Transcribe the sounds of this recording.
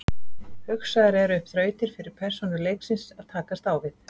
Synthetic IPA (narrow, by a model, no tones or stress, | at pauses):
hʏksaðɪɾɛɾʏhpθɾœːɥt̪ɪɾ̥fɪɾɪɾ̥pʰɛr̥sɔnʏɾleːjksɪnsaðt̪ʰaːkast̪aːwvɪθ